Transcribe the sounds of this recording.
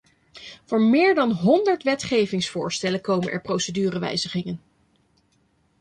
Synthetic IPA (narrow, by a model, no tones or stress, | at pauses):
v̥ʊːɹmɪːɹdɑnɦɔndəɹtʋɛtχejvɪŋsfʊːɹstɛləkowmənʔɛ̰ɹprowsədyːrəʋɛ̰jzəχɪŋən